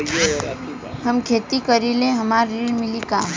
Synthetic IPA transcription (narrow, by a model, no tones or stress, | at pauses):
hɐmkʰeːt̪ikəɾilẽɦɐmaːɾːiːɽmɪlikaː